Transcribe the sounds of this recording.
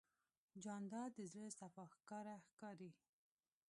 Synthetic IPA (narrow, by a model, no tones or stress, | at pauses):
d͡ʒɑnd̪ɑd̪əzɾəsafɑxkɑɾaxkɑɾi